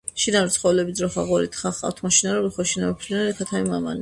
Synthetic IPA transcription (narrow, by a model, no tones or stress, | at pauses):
ʃinavɾt̪sχɔwɛlɛbid̪zɾɔχaʁɔɾḭt̪ʰχaχqʼa̰ft̪ʰmɔʃʰinaɾɔɾiχɔʃinapʰɾinaɾɛkʰat̪ʰamimama̰ni